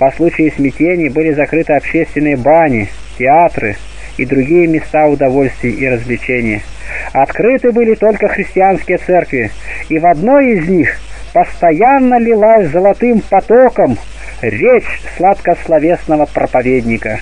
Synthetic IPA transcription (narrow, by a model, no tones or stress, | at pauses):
pɐslˠut͡ɕɪɪsʲmʲɪtʲenʲɪjəbɨlʲɪzɐkɾɨt̪ɨɐpɕesʲt̪vʲɪnɨjəbanʲɪ | tʲɪat̪rɨ̰ | id̪ɾʊɡʲijəmʲɪst̪aʊd̪ɐvo̞lʲsʲt̪vʲɪjʔiɾəzʲvlʲɪt͡ɕenʲɪjəɐt̪kɾɨt̪ɨbɨlʲɪt̪o̞lʲkəxɾʲɪsʲtʲɪanskʲɪjət̪sɛrkvʲɪ | ivɐd̪no̞jɪzʲnʲixpəst̪ɐjanːəlʲɪlˠasʲzəlˠɐt̪ɨmpɐt̪okəm | ɾʲet͡ɕslˠat̪kəslˠɐvʲe̞snəvəpɾəpɐvʲed̪ʲnʲɪkə